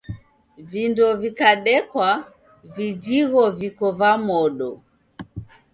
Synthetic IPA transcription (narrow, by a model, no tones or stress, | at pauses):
vindɔvikaɗɛkwa | vid͡ʒiɣɔvikɔvamɔɗɔ